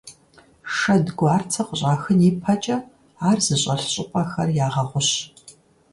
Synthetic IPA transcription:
ʂɐdɡʷaːrt͡sʰɐqʷʊɕʼaːxɨniːpʰɐt͡ʃʼɐ | aːrzɨɕʼɐɬɕʼɪpʼɐxɐrjaːʁɐʁʷʊɕ

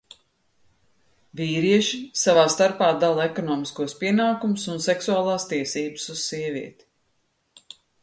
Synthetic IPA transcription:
viːɾiɛʃisavaːst̪aɾpaːd̪alˠekɔnɔːmiskuɔspiɛnaːkumʊsunsɛksuaːlˠaːst̪iɛsiːbɨ̥suzsiɛviɛt̪i̥

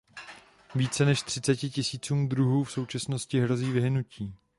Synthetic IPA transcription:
viːt͡sɛnɛʃt̪r̝̥ɪt͡sɛcɪcɪsiːt͡suːmd̪ɾuɦuːfso̞wt͡ʃasno̞scɪɦɾo̞ziːvɪɦnuciː

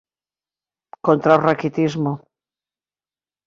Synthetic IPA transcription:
kont̪ɾawrakit̪izmo

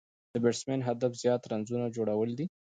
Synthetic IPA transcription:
d̪̥əbeʈsmenɦad̪afz̥jɑt̪ɾanzunad͡ʒoɽawəld̪i

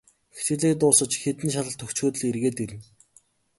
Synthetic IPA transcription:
xe̥t̪ɡɘ̆ɮeːk̚t̪ʊːsə̆t͡ɕxet̪ɘ̆nʃ̬aɮə̆ɬt̪ʰːɵxt͡ɕxuːt̪ə̆ɮerɣeːt̪iɾɘ̆n

